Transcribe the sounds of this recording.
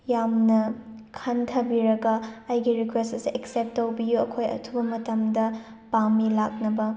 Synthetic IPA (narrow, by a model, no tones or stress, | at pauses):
jamnɐ | kʰɐntʰɐbiɾɐɡɐɐjɡiɾikwestɐsiʔeksep̚tːowbijuɐkʰojɐ̰tʰubɐmɐtɐmdɐ | pamilak̚nɐbɐ